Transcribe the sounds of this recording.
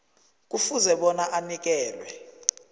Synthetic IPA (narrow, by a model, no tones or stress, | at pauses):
k̬ufuzɛɓɔnaʔanik̬ɛːlwɛ